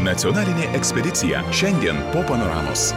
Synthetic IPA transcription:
nɐt̪sʲiɔnɑːlʲɪnʲeːʔɛksʲpʲɛd̪ʲɪt̪sʲɪjɛ̰ʃʲɛnʲd̪ʲiɛnpoːpɐnɔɾɑ̰ːmo̰ːs

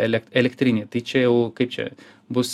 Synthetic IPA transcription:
ɛlʲɛkɛlʲɛkt̪ʲɾʲɪnʲeːt̪ɐɪt͡ʃʲɛjɛʊkɐɪp̚t͡ʃʲɛ̰ | bʊs

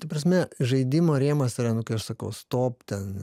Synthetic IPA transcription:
t̪ɐpɾɐs̬ʲmʲɛʒɐɪd̪ʲɪmoːɾʲeːmɐsɪɾɐnʊkɐɪɐʃsɐkɐʊst̪oːpt̪ʲɛn

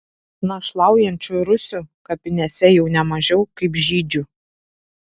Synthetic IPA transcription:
nɐʃlˠɑˑʊjɛnʲt͡ʃʲuɾʊsʲuˑkɐpʲɪnʲɛsʲɛjɛʊnʲɛmɐʒʲɛʊkɐɪpʒʲiːd͡ʒʲu

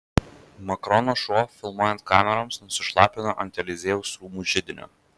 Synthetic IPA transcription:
mɐkɾɔnoːʃoːfʲɪlˠmoɔjɛnt̪̚kɑːmʲɛɾoːmsnʊsʲɪʃlˠɑːpʲɪnoːʔɐnʲt̪ʲɛlʲɪzʲeːʊsɾuːmuːʒʲɪd̪ʲɪnʲo̰ː

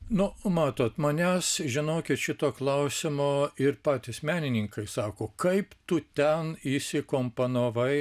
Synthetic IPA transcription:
nʊmɑːt̪oːt̪mɐnʲæːsʒʲɪnoːkʲɪt̪ʃʲɪt̪oːklˠɐʊsʲɪmoːɪɾpɑːt̪ʲɪsmʲæːnʲɪnʲɪŋkɐɪsɑːkoːkɐɪpt̪ʊt̪ʲɛnisʲɪkoːmponoːʋɐɪ

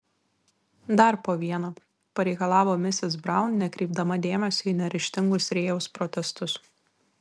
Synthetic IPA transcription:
d̪ɐɾpoːʋʲiɛnoː | pɐɾʲɛɪkɐlˠɑːʋoːmʲɪsʲɪs̬bɾɑˑʊnnʲɛkɾʲɛɪbd̪ɐmɐd̪ʲeːmʲɛsʲoːinʲɛɾʲɪʃʲt̪ʲɪŋɡʊsɾʲeːjɛʊspɾɔt̪ʲɛst̪ʊs

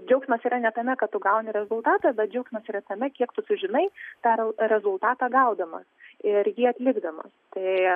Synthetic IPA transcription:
d͡ʒʲɛʊksʲmɐsiːɾɐnʲɛt̪ɐmʲɛkɐt̪t̪ʊɡɐʊnʲɪɾʲɛzʊlˠt̪ɑːt̪ɐbʲɛt̪̚d͡ʒʲɛʊksʲmɐsiːɾɐt̪ɐmʲɛkʲiɛkt̪ʊsʊʒʲɪnɐɪt̪ɑːɾɾʲɛzʊlˠt̪ɑːt̪ɑːɡɐʊd̪ɐmɐ̰sɪrjiːɐt̪ʲlʲɪɡd̪ɐmɐ̰st̪ɐɪ

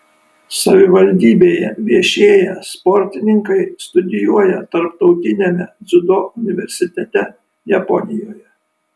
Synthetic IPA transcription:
sɐʋʲɪʋɐlʲd̪ʲiːbʲeːjɛ̰ʋʲiɛʃʲeːjɛspɔɾʲt̪ʲɪnʲɪŋkɐɪst̪ʊd̪ʲɪjuɔjɛt̪ɐɾp̚t̪ɒʊt̪ʲɪnʲemʲɛd̪zʊd̪oʊnʲɪʋʲɛɾʲsʲɪt̪ʲɛt̪ʲɛ | jɛpɔnʲɪjoːjɛ

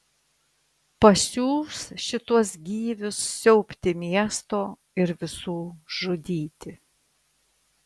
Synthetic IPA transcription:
pɐsʲuːsʃʲɪt̪uɔsɡʲiːʋʲʊsːʲɛʊpʲt̪ʲɪmʲiɛst̪oː | ɪɾʋʲɪsuːʒʊd̪ʲiːt̪ʲɪ

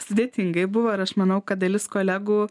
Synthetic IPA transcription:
sʊd̪ʲeːt̪ʲɪŋɡɐɪbʊʋoːɪɾɐʃmɐnɐʊkɐt̪̚d̪ɐlʲɪskoːlʲæːɡuː

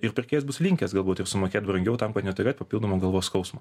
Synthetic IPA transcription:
ɪɾpʲɪɾʲkʲeːjɛsbʊslʲɪŋʲkʲɛsɡɐlˠbuːt̪ɪɾsʊmoːkʲeːt̪̚bɾɐŋʲɡʲɛʊt̪ɐmkɐt̪nʲɛt̪ʊɾʲeːt̪ʲpɐpʲilˠd̪oɔmoːɡɐlˠʋoːskɒʊsmo

